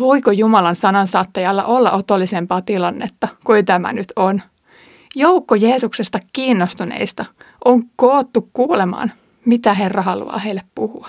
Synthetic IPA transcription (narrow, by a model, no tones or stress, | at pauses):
ʋo̞ikojumɑlɑnsɑnɑnsɑːt̪ːɑjɑlːɑ̰ʔolːɑʔot̪olːisempɑːt̪ilɑnːḛt̪ːɑkuet̪æmæ̰nyt̪ʰon | joukːojeːsuksest̪ɑkkiːnːost̪unḛist̪ɑ | ʔoŋkoːt̪ːukkuːlemɑ̰ːn | mit̪æɦerːɑhɑlṵɑ̰ːheilːeppuhuɑ̥